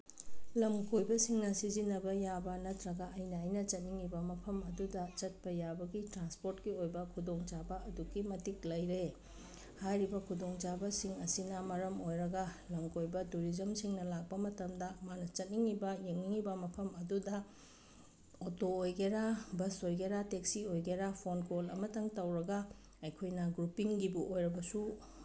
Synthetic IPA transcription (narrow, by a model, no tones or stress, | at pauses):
lɐmkojbɐsiŋnɐsizinːɐbɐjabɐnɐtʰɾɐɡɐʔɐjnɐːjnɐt͡ʃɐt̚niŋːibɐmɐpʰɐmɐdudɐt͡ʃɐt̚pɐjabɐɡitɾanspoɾtkiojbɐkʰudoŋt͡ʃabɐɐduɡimɐtik̚lɐjɾe | hajɾibɐkʰudoŋt͡ʃabɐsiŋɐsinɐmɐɾɐmojɾɐɡɐlɐŋkojbɐtuɾizɐmsiŋnɐlak̚pɐmɐtɐmdɐmanɐt͡ʃɐt̚niŋːibɐjeŋniŋibɐmɐpʰɐmɐdudɐ | otoːjɡeɾabɐsojɡeɾatek̚siojɡeɾapʰonkolɐ̰mɐtɐŋtɐwɾɐɡɐ | ɐjkʰojnɐɡɾupiŋɡibuʔojɾɐbɐsu